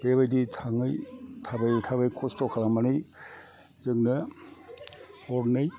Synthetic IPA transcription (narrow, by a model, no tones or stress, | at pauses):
b̥ebajditʰaŋɯjtʰabajtʰabajkʰɔstɔkʰalamanɯj | zɯŋnɯ | ɔɾnɯj